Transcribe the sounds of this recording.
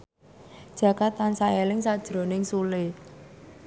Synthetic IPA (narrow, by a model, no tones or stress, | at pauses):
d̥ʒ̥ä̤kat̪ansaelɪŋsad̥ʒ̥ɾo̤nɪŋsule